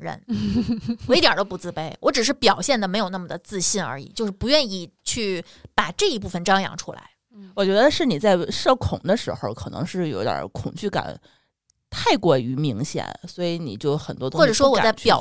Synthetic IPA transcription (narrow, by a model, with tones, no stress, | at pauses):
ɻə̰˧˥n | ɔ˨˩i˥t̪jɐ˨˩t̪o˥ʊpu˧˥t͡sɹ̩˥˩pe˥˩ɪwʔɔ˧˥ʈ͡ʂɻ̩˨˩ʂ̬ɻ̩˥˩pjɑ˨˩ʊɕjɛ˥˩nd̪ə˩me˧˥ɪjo˨˩ʊna˥˩mə˩d̪ə˩t͡sɹ̩˥˧ɕi˥˩nə̰˞˧˥ḭ˨˩t͡ɕjo˥˧ʂɻ̩˥˩pu˧˥ɥɛ˥˧ni˥˧t͡ɕʰy˥˩ | pa˨˩ʈ͡ʂɤ˥˩i˧˥p̬u˥˩fə˩nʈ͡ʂɑ˥ŋjɑ̰˧˥ŋʈ͡ʂʰu˥la̰˧˥ɪ | wɔ˨˩t͡ɕɥɛ˧˥d̪ə˧ʂɻ̩˥˩ni˨˩t͡sa˥˩ɪʂɤ˥˩kʰʊ˨˩ŋd̪ə˦ʂɻ̩˧˥xo˧ʊkʰɤ˨˩nɤ̰˧˥ŋʂɻ̩˥˩jo˧˥ʊd̪jə̰˞˨˧˩kʰʊ̰˨˩ŋt͡ɕy˥˩ka̰˨˩˦n | t̪ʰa˥˩ɪkwɔ˥˩y˧˥mi˧˥ŋɕjɛ̰˨˩˦nswɔ˧˥i˧˥ni˨˩t͡ɕjo˥˩ʊxə˨˩nt̪wɔ˥ʊ˥xɔ˥˩ʈ͡ʂɤ˨˩ʂwɔ˥wɔ˨˧˥t͡sa˥˩ɪpjɑ˥˨˩